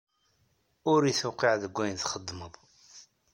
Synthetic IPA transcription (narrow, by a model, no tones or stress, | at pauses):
ʊɾiθʊqiʕðəɡʷːæjnθχəd̪ːməðˤ